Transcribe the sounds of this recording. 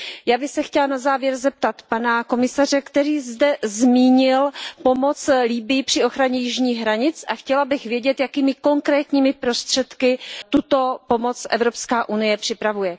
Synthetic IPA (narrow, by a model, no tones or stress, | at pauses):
jaːbɪxsɛxcɛlanazaːvjɛɾzɛp̚t̪at̪panako̞mɪsarɛkt̪ɛɾiːzdɛzmiːɲɪlpo̞mo̞t͡sliːbɪjɪpr̝̥ɪo̞xɾaɲɛjɪʒɲiːɣɦɾaɲɪt͡sʔaxcɛlabɪxvjɛɟɛt̪jakiːmɪko̞ŋkɾɛːt̪ɲiːmɪpɾo̞st̪r̝̥ɛt̪kɪt̪ut̪o̞po̞mo̞t͡sʔɛ̰vɾo̞pskaːʔunɪjɛpr̝̥ɪpɾavujɛ